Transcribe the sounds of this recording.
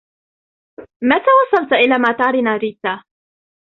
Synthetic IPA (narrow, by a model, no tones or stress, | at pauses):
mat̪aːwɑsˤːɑlt̪ʔɪlaːmaːt̪aʕɾɪnaːɾiːt̪ːaː